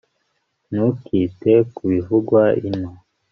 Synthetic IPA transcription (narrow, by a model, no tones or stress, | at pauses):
nukiːtekuβivuɡwaino